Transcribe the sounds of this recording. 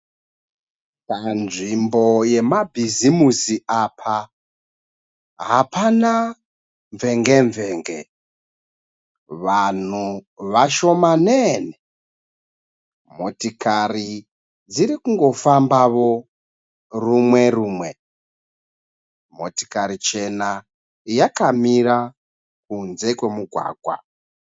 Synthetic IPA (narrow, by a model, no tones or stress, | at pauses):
kanʐimbo̞je̞mabʱizimusiapʰa | ɦapana | ɱveŋɡeɱveːŋɡe | ʋan̤uʋaʃo̞maneːne | motikari | d͡ziɾikuŋɡo̞fambaʋo | rumweruːmwe | mo̰ti̥kaɾit͡ʃe̞na | jakamiɾa | kunzekwemuɡʱwa̰ːɡʱwa̰